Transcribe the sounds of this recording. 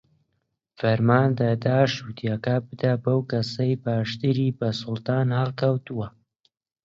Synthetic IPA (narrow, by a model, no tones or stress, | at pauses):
fɐɾmaːnd̪ɐd̪aːʃut̪jakabɨd̪abɐwkɐsɐjbaːʃt̪ɨɾiːbɐsʊlt̪aːnhɨlkɐwt̪uwɐ